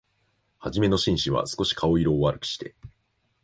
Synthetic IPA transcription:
haʑime̞no̞ɕĩɰ̃ɕiβa̰sɨ̥ko̞ɕi̥kʰao̞iɾo̞ːβaɾɯ̟kɯ̥ɕi̥t̪e̞

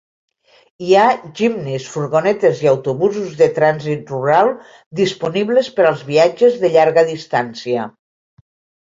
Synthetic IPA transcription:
iaʒimnisfuɾɣonɛt̪eziawt̪uβuzuzðet̪ɾanzit̪̚ruɾalˠ | d̪ispuniβlespəɾalˠzβiad͡ʒezðeʎaɾɣəðist̪ansiə

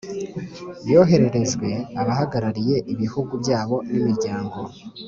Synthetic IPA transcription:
jo̞ːɦe̞ɾe̞ɾe̞zɡwe̞aβahaɡaɾaɾije̞ʔiβihuɡubɟaːβo̞nimiɾɟaːŋɡo̞

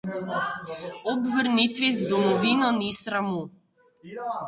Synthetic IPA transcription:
ɔbvəɾnit̪vizd̪ɔmɔvinɔnisɾamu

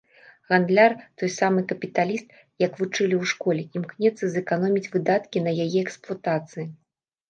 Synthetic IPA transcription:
ɣand̪lʲart̪ɔjsamɨkɐpʲit̪alʲist̪̚ | jɐkvut͡ʂɨlʲiwʂkɔlʲɛimknʲɛt̪sːɐzɛkanɔmʲit͡sʲvɨd̪at̪kʲinɐjajɛɛksplˠat̪at̪sɨji

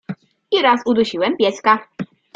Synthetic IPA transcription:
iɾasud̪uɕiwɛmpʲjɛska

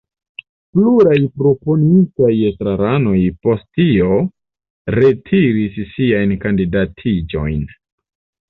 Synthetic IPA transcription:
pluɾajpɾo̞po̞nintajestɾaɾano̞jpo̞sttio̞ | ɾe̞tʰiɾisːiajnkandidatʰid͡ʒo̞̰jn

